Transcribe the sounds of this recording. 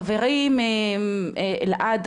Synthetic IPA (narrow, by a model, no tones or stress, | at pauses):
veʁime | lʔad̪